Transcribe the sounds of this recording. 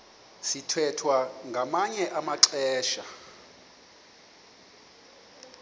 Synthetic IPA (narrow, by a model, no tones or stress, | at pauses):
sitʰwɛtʰwaŋɡʱamaɲɛʔamaǀɛːʃa